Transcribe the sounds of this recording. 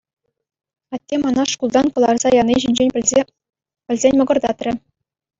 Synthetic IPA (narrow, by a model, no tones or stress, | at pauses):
ɑt̪ʲːemɑnɑʂkulˠd̪ɑnkɤ̆lˠɑrz̥ɑjɑnʲːiʑinʲd͡ʑenʲ | pʲɘ̆lʲzʲenʲmɤ̆ɡɤ̆rd̪ɑt̪rʲɘ̆